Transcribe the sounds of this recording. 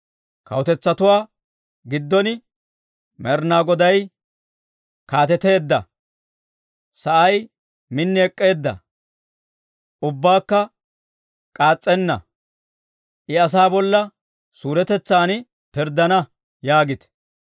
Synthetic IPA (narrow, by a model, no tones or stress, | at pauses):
kɐ̰wʊt̪ɛt͡sːɐt̪ʊwaː | ɡɪd̪ːɔnɪ | mɛɾnaːɡɔd̪ɐj | kaːt̪ɛt̪e̞ːd̪ːɐ̰ | sɐʔɐj | mɪnːɪɛkʼːe̞ːd̪ːɐ̰ | ʔʊbːaːkːɐ | kʼaːt͡sʼːɛnːɐ̰ | ʔɪɐs̬aːbɔlːɐ | suːɾɛt̪ɛt͡sːaːn | pɪɾd̪ːɐnɐ | jaːɡɪt̪ɛ̥